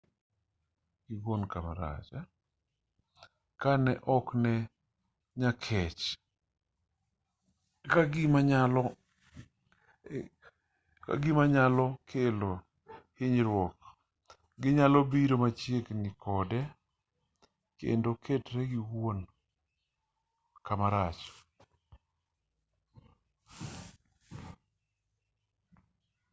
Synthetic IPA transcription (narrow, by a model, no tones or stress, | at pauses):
ɡɪɡonkama̰ɾa̰t͡ʃa | kanɛʔɔknɛ | ɲakʰɛt͡ʃ | kaɡɪmaɲalɔ | ka̰ɡɪmaɲalɔkʰelo | hɪɲɾwɔk̚ | ɡɪɲalɔbiɾomat͡ʃjeknɪkɔdɛ | kḛndokʰetɾɛɡɪwon | kamaɾat͡ʃ